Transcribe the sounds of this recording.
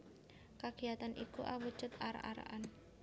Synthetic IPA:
kaɡ̥iat̪anʔikuʔawu̥t͡ʃət̪aɾa̰ʔaɾa̰ʔan

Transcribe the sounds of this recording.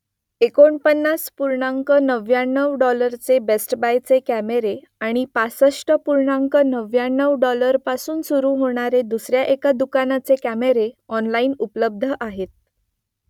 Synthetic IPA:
ekoɳpənːaspuɾɳaŋkənəʋjanːəʋɖɔləɾt͡sebesʈbajt͡sekæmeɾe | aɽ̃ipasəʂʈəpuɾɳaŋkənəʋjanːəʋɖɔləɾpasuːnsuɾuːm̤oɳ̃aɾed̪usɾjaʔekad̪ukanat͡sekæmeɾeɔnlaiːnupləb̚d̪ʱəʔaɦet̪̚

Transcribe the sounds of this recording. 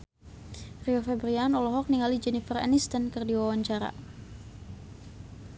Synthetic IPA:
riɔfɛbɾianɔlɔɦɔk̚niŋalid͡ʒɛnifərɛ̰nist̪ənkɨrdiwawaɲt͡ʃaɾa̰

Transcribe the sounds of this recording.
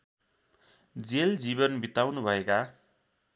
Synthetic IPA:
d͡zeld͡ziβʌnbit̪awnubʱʌeka

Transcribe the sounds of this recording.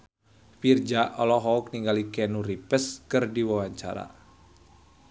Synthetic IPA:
fird͡ʒaʔɔlɔɦɔk̚niŋɡalikɛnuripəskɨrdiwawaɲt͡ʃa̰ɾa̰

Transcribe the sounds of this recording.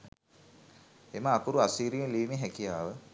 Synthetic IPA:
eməakuɾuasiːɾijəliːmeɦɛkijaːʋə

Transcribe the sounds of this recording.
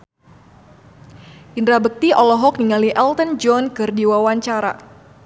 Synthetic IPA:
ʔindɾabək̚t̪iʔɔlɔɦɔk̚niŋaliʔɛlt̪ənd͡ʒɔnkɨrdiwawaɲt͡ʃaɾa̰

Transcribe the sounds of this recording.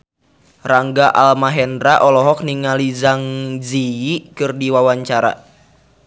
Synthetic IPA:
raŋɡaʔalmaɦɛndɾaʔɔlɔɦɔk̚niŋalizaŋd͡ʒiikɨrdiwawaɲt͡ʃaɾa̰

